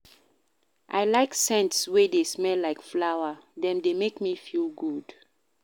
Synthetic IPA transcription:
ʔa̰ɪlaɪksɛ̃ntswɛdesmɛlːaɪkflawadɛ̃mdemekmifilɡud̥

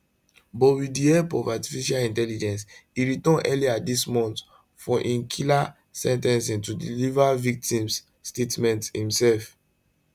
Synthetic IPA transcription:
bɔwidiɛpɔvati̥fiʃalĩntɛlid͡ʒɛ̃nsiɹitɔ̃nʔɛliadismɔ̃nt | fɔ̃ʔĩnkʰila | sɛ̃ntɛ̃nsĩntudilivavik̚tĩmsː | tetmɛ̃nthĩmsɛlf

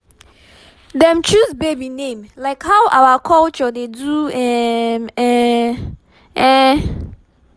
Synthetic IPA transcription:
dɛ̃mt͡ʃʰusbebinẽmlaɪkhawʔawakʰɔlt͡ʃɔdeduɛmɛ | ɛ

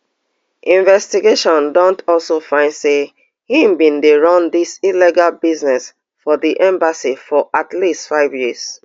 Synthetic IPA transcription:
ʔĩɱvɛstiɡeʃɔ̃ndɔ̃ntʰɔlsofãɪ̃ndse | hĩmbĩndeɹɔ̃ndisiliɡalbiznɛs | fɔðiʔɛ̃mbasifɔʔatlistfaɪvjiz̥

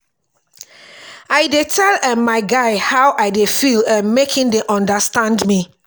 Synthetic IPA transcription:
aɪdetʰɛlɛ̃nmaɪɡaɪhawʔaɪdefilãnmekʰĩndeʔɔ̃ndastãndmi

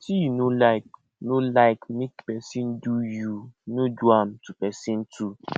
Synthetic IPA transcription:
tinulaɪk̚ | nulaɪkmikpɛsin̩dujunuduam̩tupɛsin̩tu

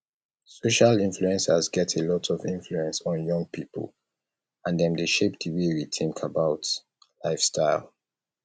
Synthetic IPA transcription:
soʃalĩnfluɛ̃nsazɡɛtʰelɔtʰɔvĩnfluɛ̃nsn̩jɔ̃ŋ̚pʰipʰə̰l | ãndɛ̃mdəʃep̚diwiɹitʰɪ̃ŋkʰəbaʊt | laɪfstʰaɪlˠ

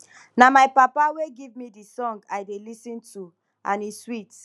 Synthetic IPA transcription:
namaɪpapaweɡivmidisɔ̃ŋɡaɪdelisĩntʰu | ʔã̰niswit

